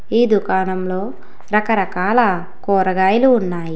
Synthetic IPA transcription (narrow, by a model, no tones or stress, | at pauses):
iːd̪ukaːnɐmlo̞ː | ɾɐkɐɾɐkaːlɐ | kɔːɾɐɡaːjɐluːnːaːji